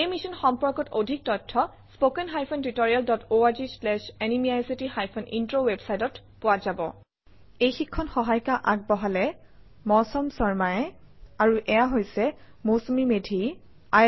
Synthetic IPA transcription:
ejmisɔnxɔmpɔɹkɔtodʱik̚tɔtʰːɔ | spokɛnɦajpʰɔntitɔɹialdɔtoaɹzislɛʃɛnimiajsitixajpʰɔnintɹowebsajtɔtpʊwazabɔ̰ | ejxikʰːɔnxɔɦajkaʔak̚bɔɦalɛ | mɔsɔmsɔɹmajɛaɹuʔɛjaɦojsɛ | mosomimedʱi | a

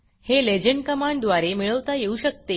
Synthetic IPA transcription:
heled͡ʑəɳɖkəmaɳɖd̪ʋaɾemiɭəʋt̪ajeuɕək̚t̪e

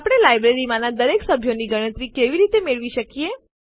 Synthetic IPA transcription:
apɽ̃elajbɾeɾimanad̪əɾeksəbʱjoniɡəɽ̃ə̃t̪ɾikeʋiɾit̪emeɭʋiʃəkie

